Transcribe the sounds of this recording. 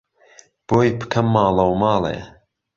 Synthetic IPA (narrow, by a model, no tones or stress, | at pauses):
b̥oːjpʰɨ̥kʰɐmːaːlɐwmaːlḛː